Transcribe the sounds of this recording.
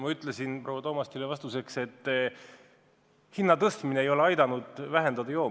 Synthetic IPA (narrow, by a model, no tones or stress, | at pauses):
mɑyt̪ˑlesinprowɑt̪o̞ːmɑst̪ilevɑst̪use̞kse̞t̪ːˑ | hinːɑt̪ɤst̪mineːjo̞le̞ɑjd̪ɑnud̪̥væɦend̪̥ɑd̪ɑjoː